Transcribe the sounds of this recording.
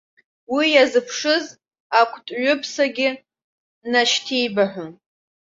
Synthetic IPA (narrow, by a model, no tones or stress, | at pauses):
wijazɨpʰʂɨz | akʷʰtʼɥʊpʰsaɡʲɪ | naʃtʰijbaħʷʊn